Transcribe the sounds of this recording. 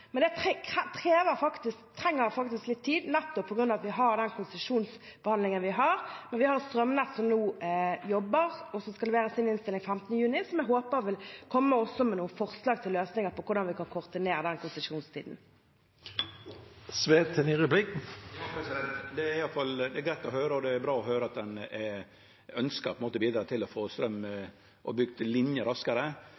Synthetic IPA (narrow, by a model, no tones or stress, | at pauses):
mɛnd̪ɛt̪ːt̪ʰʁeːʋəɾfɑkt̪ɪskt̪ʰːɾɛŋːəɾfɑk̚t̪ɪsklɪt̪ʰːiːd̪nɛt̪ːɔpʰːɔɡɾʉnɑʋɑt̪ʋɪɦɑɾd̪ɛnkʰʊnsəʂuːns | b̥əhɑnd̪lɪŋənʋɪɦɑʁmɛnʋɪhɑɾst̪ɾœmnɛt̪sɔmnuːjɔbːəʁɔsɔmskɑlʋæːɾəsɪnɪnst̪ɪlɪŋfɛmt̪ənəjʉːnɪsɔmɛɦoːpəɾʋɪlkʰɔmːəɔsːɔmɛnuːəfɔʁslɑːɡt̪ʰɪlːøːsnɪŋəpʰɔkʰʊʁd̪ɑnʋɪkʰɑnkʰʊʁd̪ɪneːɾəd̪ɛnkʰʊnsɪʂuːnst̪ʰḭːd̪n̩ | sʋeːt̪ʰəniɾʉblikɑpʰɾɛsɪd̪ɛnt̪d̪ɛæɾɪjɑlt̪fɑld̪ɛɡɾæt̪ːɔhøːɾəɔd̪ɛːɾbɾɑːɔhøːɾəɑt̪̚d̪ɛnɛ | œnskɑɾpʰɛmoːt̪əbiːd̪ɾɑːt̪ʰɪlɔfoːst̪ɾœmː | ʔɔbʏɡd̪lɪnjəɾɑskəɾə